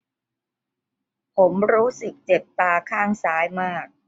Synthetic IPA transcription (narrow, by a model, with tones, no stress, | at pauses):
pʰo˩˦mɾuː˦˥sɯ˨˩k̚t͡ɕe˨˩p̚t̪aː˧kʰaː˥˩ŋsaː˦˥jmaː˥˩k̚